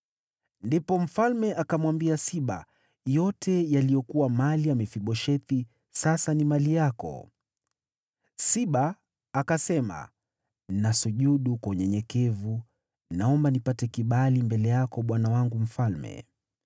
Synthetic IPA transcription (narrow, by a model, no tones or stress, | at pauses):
ndipɔm̩falmɛʔakamwambiasiɓa̰ | jɔtɛjalijɔkuwamaliamɛfiɓɔʃɛti | sasanimalijakɔ̰ | siɓaː | kasɛma̰ | nasuʄuɗukauɲɛɲɛkɛvu | naɔmbanipatɛkiɓalimbɛlɛjakɔɓwanawaŋɡum̩falmɛ̰